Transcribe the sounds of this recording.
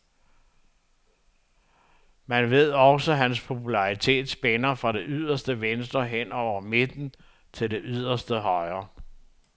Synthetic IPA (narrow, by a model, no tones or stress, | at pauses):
mænʋe̝ð̞̰ˠɒ̽səɦænspʰo̝pʰulɑ̈ʁit͡sʰe̝̰ːd̥sb̥enɐfʁɑ̈ɾe̝ʔyð̰ˠɐsd̥əʋensd̥ʁɐɦen̰ɒʊ̰ɐme̝d̥n̩ | t͡sʰe̝ld̥e̝ʔyð̞̰ˠɐsd̥əɦɒ̽ɪɐ